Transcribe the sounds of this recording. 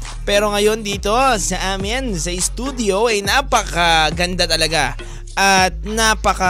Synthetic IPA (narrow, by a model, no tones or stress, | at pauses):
pɛːɾo̞ŋɐjo̞nd̪iːt̪o̞sɐʔaːmɪnsɐʔɪst̪uːd̪ɪjo̞ʔɐjnapɐkɐɡɐnd̪at̪ɐlɐɡa | ʔɐt̪̚napɐkɐ